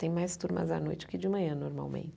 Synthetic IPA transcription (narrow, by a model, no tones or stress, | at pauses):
t̪ẽj̃majst̪uɾmɐ̰za̰nojt͡ʃɪ̥kɪd͡ʒɪmɐ̃ɲɐ̃noɾma̰wmḛ̃nt͡ʃ